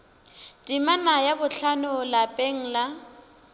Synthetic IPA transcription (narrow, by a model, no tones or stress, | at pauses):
dʼimanajabʊɬʰanʊlapʼeŋ̩la